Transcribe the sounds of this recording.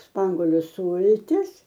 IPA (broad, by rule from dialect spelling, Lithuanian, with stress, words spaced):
ˈspɐŋɡoːlʲʊ ˈsuːlʲtʲɪs